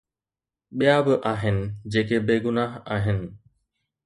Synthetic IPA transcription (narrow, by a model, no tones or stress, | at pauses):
ɓɪjaːbəʔaːɦɪnɪ̆d͡ʑeːkebeːɡʊnaːɦaːɦɪnɪ̆